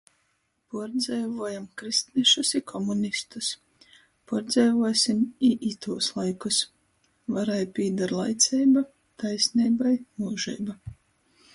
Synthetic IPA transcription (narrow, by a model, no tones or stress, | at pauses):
puɾd̪zɛjvuɔjamkɾist̪niʃusikʰɔmunist̪us | puɾd̪zɛjvuɔsimiʔit̪uɔslˠajkus | vaɾajpʲiːd̪aɾlˠajt̪sʲɛjba | t̪ajsnʲiːbajmuːʒɛ̰jba